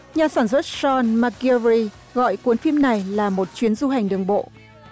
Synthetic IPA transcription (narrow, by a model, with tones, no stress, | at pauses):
ɲaː˨˩saː˧˩nswə˦˥t̚zɔ˧nma˧ki˧ɹi˧ | ɣɔ̰˧˨jkwi˨˦nfi˧mna˨˩jlaː˨˩mo˨˩t̚t͡ɕwi˨˦ənzu˧ɦa˨˩jŋ̟ɗɨ˨˩əŋɓo̰˧˨